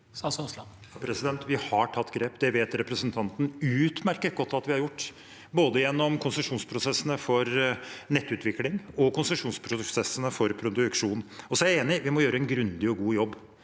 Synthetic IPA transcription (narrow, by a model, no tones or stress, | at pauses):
sɑsoslɑ | ɑpʰɾɛsɪd̪ɛnt̪ʋɪhɑʈʰɑt̪ːɡɾeːpd̪ɛʋeːt̪ɾɛpɾəsənt̪ʰɑnt̪n̩ʉːt̪mæɾkət̪̚ɡɔt̪ːɑt̪ʋɪhɑɾjʊʈː | boːd̪əjɛnːɔmkʰʊnsəʂuːnspʰɾʊsɛsːənəfɔɾnɛt̪ːʉːt̪ʰʋɪklɪŋɔkʰʊnsəʂuːnspʰɾʊsɛsːənəfɔɾpʰɾʊd̪ʉkʂuːnɔsɔæɾæeːnɪʋɪmɔjøːɾəɛnɡɾʉnd̪ɪɔɡuːjɔbː